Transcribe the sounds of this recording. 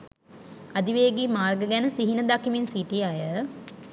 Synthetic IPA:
ad̪iʋeːɡimaːrɡəɡænəsiɦinəd̪akiminsiʈijəajə

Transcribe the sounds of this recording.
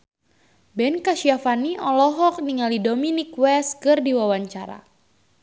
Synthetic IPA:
bɛnkaʃiafaniʔɔlɔɦɔk̚niŋalidominikwɛskɨrdiwawaɲt͡ʃaɾa̰

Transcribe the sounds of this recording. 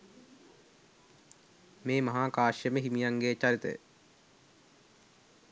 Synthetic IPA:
meːmɐɦaːkaːʃjəməɦimijaŋɡet͡ʃaɾit̪ə̰jə̰

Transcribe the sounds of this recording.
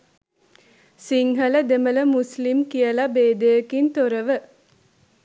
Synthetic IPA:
siŋɦələd̪emələmuslimkijəlabeːd̪eəkint̪oɾəʋə

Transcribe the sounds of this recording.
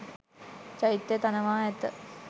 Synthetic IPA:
t͡ʃaɦit̪ːet̪anəʋaːɛt̪ə

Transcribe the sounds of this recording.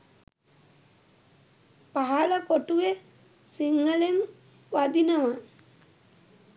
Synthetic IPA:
paɦalapoʈue | siŋːəlen | ʋad̪inaʋa

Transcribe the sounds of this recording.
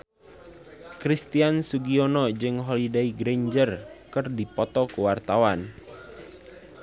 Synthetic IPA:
kɾist̪iansuɡiɔnɔd͡ʒɨŋɦolidaiɡɾeɲd͡ʒərkɨrdipɔt̪ɔkuwart̪awan

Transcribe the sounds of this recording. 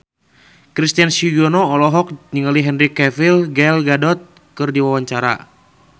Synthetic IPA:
kɾist̪iansiɡɔnɔɔlɔɦɔk̚ɲiŋaliɦɛnrikɛvilɡɛlɡadɔt̪̚ | kɨrdiwawaɲt͡ʃaɾa̰

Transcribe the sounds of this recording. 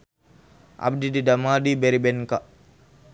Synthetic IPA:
ʔa̰b̚dididamadibɛɾibɛnka

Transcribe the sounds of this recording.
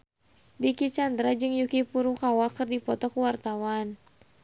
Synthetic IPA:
bikit͡ʃand̪ɾad͡ʒɨŋjukipuɾukawakərdipɔt̪ɔkuwart̪awan

